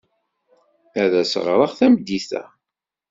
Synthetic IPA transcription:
æðæsəʁɾˤɑʁθæmd̪iθæ̰

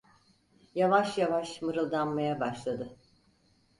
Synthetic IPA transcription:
javaʃjavaʃmɯɾɯlˠd̪anmajabaʃlˠad̪ɯ

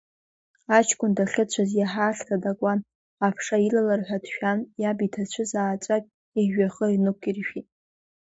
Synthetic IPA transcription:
at͡ʃʰkʷʼʊndaχʲɨt͡ɕʷʰazjaħaːɬtʰadakʷʼan | apʰʂailalarħʷᶣadʃᶣanjabitʰat͡ɕʷʰɨzaːt͡ʃʷʼakʲʼ | iɥᶣaχəinɨkʷʰirʃᶣitʼ

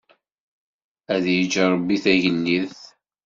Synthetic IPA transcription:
æðjəd͡ʒəɾˤəbːiθæʝənːiθ

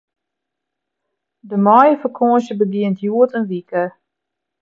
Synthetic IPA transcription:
dəmɔjəfəkʰoːʃəbəɡɪəntʰjuətənʋikə

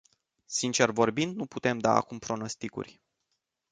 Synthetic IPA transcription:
sint͡ʃe̞rvo̞rbind̪̚nuput̪e̞md̪aa̰kumpɾo̞no̞st̪ikṵrʲ

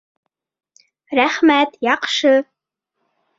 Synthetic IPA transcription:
ræχmæt̪jɑqʃɤ

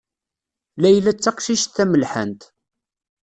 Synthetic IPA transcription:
læjlæt͡sːæqʃiʃθæməlħæ̰nt̪

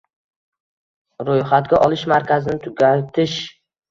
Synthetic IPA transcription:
ɾojχat̪̚ɡʲaʔɒlˠɪʃmaɾkʲʰazɪnɪt̪ʰʊɡʲat̪ʰɪʃ

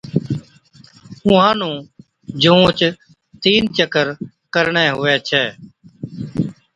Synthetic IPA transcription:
ʊ̃ːɦãːnũː | d͡ʒũːt͡ʃ | t̪iːnt͡ʃəkəɾ | kəɾɳɛːɦʊɛːt͡ʃʰɛː

